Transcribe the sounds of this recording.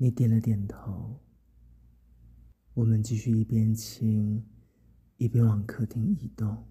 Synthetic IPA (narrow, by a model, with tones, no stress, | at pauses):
ni˨˦t̪jɛ˨˩nlə˦t̪jɛ˨˩nt̪ʰo˧˦ʊ | wɔ˨˩mə˦nt͡ɕi˥˧ɕy˥˧i˥˩pjɛ˦˥nt͡ɕʰi˧˥ŋ | i˥˩pjɛ˥˦nwɑ˨˩ŋkʰɤ˥˧t̪ʰi˧˥ŋi˨˩t̪ʊ˥˩˨ŋ